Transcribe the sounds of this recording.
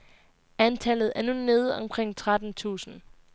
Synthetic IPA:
ænt͡sʰælð̩ˠæɐnune̝ːð̞̩ˠɒ̽mkʰʁeŋ̰t͡sʰʁad̥n̩t͡sʰṵːsn̩

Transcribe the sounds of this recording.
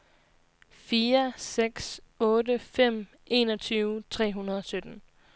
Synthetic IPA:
fiːɐseɡ̥s | ɔ̽ːdəfem̰ | e̝ːnɒ̽t͡sʰyːʊt͡sʰʁɛ̰ːɦunɐð̞ˠɒ̽sød̥n̩

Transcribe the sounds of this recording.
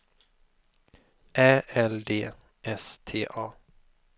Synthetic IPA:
ʔɛːɛld̪eː | ʔɛst̪ʰḛːʔɑː

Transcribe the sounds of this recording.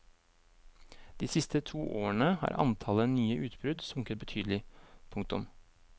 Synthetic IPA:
d̪̥iːsɪst̪ət̪ʰuːʔoːəɳəhɑ̰ːɾʔɑ̰nt̪ʰɑlənyːəʔʉːt̪bɾʉd̪sʊŋkət̪̚bət̪ʰyːd̪əlɪpʰʊŋk̚t̪ʊ̰m

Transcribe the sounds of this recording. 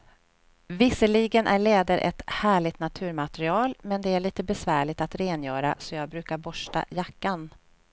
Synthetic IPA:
vɪsːəɭiɡənʔæɭeːd̪əɾʔɛ̰t̪hæːɭɪɡt̪nat̪ʰʉ̟ːɾmat̪ɛɾɪɑːlmɛnd̪ɛæɭiːt̪əbɛsvæːɭɪt̪at̪ɾeːnjœːɾa̰sɔjɑːɡ̚bɾʉ̟ːkaɾbɔʂʈa̰jakːan

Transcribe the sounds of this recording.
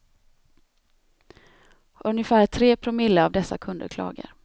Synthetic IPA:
ɵnjəfæːt̪ʰɾeːpʰɾʊmɪlːəavd̪ɛsːa̰kʰɵnd̪ə̰ɾkʰlɑ̰ːɡə̰ɾ

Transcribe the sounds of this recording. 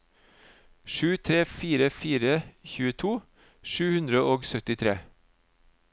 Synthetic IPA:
ʃʉːt̪ʰɾeːfiːɾəfiːɾəçʉːət̪ʰuː | ʃʉːhʉnd̪ɾəʔoːɡsœt̪ɪt̪ʰɾeː

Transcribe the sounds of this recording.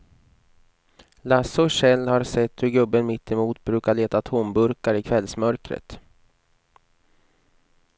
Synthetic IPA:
lasɔɕɛlːhaɾsɛt̪ːhɵɾɡɵbːənmɪt̪ːɪmuːt̪bɾʉ̟ːkaɭeːt̪at̪ʰɔmbɵɾkaɾɪkʰvɛlsmœɾkɾə̰t̪

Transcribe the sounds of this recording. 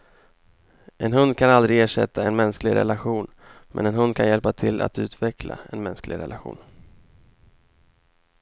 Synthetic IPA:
ʔɛnɦɵnd̪̚kʰanald̪ɾɪɡeːʂɛt̪ːaɛnmɛnsklɪɡɾɛ̰laɧuːn | mʔɛ̰nɛnɦɵnd̪̚kʰanjɛlpat̪ʰɪlːʔa̰t̪ʉ̟ːt̪vɛkʰla̰ɛnmɛnsklɪ̰ɡɾɛ̰laɧṵːn

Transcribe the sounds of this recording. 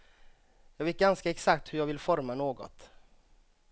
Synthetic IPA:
jɑːɡveːt̪̚ɡanskaɛksakt̪hɵjɑːɡvɪlfɔɾmanoːɡɔ̰t̪

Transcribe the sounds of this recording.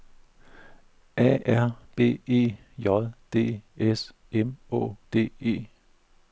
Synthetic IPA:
ʔɛ̰ːæɐ̰b̥e̝̰ːe̝̰ː | jɒðˠd̥e̝̰ːes | emɔ̰̽ːd̥e̝̰ːe̝̰ː

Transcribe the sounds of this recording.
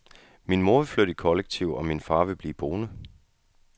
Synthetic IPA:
minmo̝ɐʋe̝fløɾ̥ikʰɒ̽leɡ̥̚t͡sʰiʊ̰ɒ̽minfɑ̈ːʋe̝b̥liːb̥o̝ːnə

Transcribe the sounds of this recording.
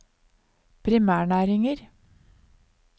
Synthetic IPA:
pʰɾɪmæːɳæːɾɪŋəɾ

